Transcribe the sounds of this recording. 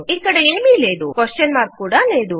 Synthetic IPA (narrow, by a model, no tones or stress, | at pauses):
iːkɐɽeeːmiːleːd̪ukʋesʈjɐnmaːɾt̪̚kuːɽaleːd̪u